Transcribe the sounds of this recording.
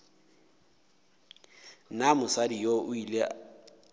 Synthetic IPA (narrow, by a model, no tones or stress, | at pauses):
namʊsadijoʔʊile